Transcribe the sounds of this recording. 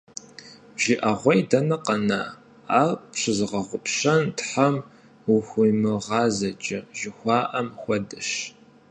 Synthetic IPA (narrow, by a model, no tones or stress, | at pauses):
ʒ̥ɪʔɐʁʷɔjdɐnɐqɐna̰ː | aːpɕɨzɨʁɐʁʷʊpʰɕɐntħɐm | uxʷʊjmɨʁɑːzɐt͡ʃʼɐʒɪxʷɑːʔɐmxʷɔdɨʃ